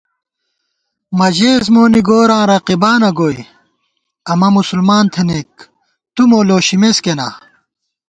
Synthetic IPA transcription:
mɐd͡ʑeːzmoːniɡoːɾãːɾɐqibaːnɐɡoːj | ɐmɐmusulmaːnt̪ʰenek̚ | t̪umoːloːɕimeskena̰ː

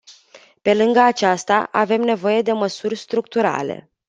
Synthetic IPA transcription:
pe̞lɨŋɡəat͡ʃast̪a̰ʔave̞mne̞vo̞je̞d̪e̞məsurʲst̪ɾuk̚t̪uɾa̰le̞̰

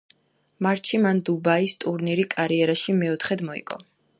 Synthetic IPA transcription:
maɾt̪ʃʰimand̪ubaist̪ʼuɾniɾikʼaɾiɛɾaʃimɛɔt̪ʰχɛd̪mɔḭkʼɔ̰

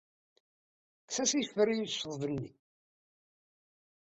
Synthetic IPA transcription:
ksæsifəɾijsəðˤvənːi

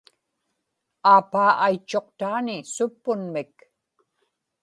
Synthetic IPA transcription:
aːpaːʔajt͡ʃːo̞qt̪aːnɪsʊpːʊnmɪk

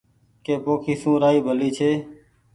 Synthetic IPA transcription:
keːpoːkʰiːsũːɾaːiːbʱəliːt͡ʃʰeː

